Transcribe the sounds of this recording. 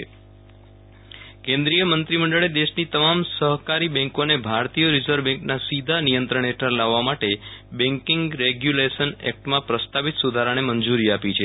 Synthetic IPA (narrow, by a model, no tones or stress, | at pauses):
kẽnd̪ɾijəmənt̪ɾiməɳɖəɭed̪eʃnit̪əmamsəɦkaɾibɛ̃ŋkonebʱaɾt̪ijəɾid͡ʒəɾbɛ̃ŋknasid̪ʱanijənt̪ɾəɳ̃eʈʰəɾlaʋːamaʈebɛ̃ŋkɪŋɡɾeɡjulesənɛ̰k̚ʈmãpɾəst̪apit̪sud̪ʱaɾaɽ̃eməɲd͡ʒuɾiapit͡ʃʰe